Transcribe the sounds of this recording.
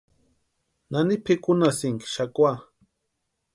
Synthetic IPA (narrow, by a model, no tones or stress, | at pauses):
nanipʰekʊnasiŋki̥ʃakwa